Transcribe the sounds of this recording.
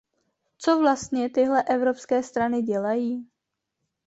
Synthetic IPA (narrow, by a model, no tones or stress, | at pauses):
t͡so̞vlast̪ɲɛt̪ɪɦlɛʔɛvɾo̞pskɛːst̪ɾanɪɟɛlajiː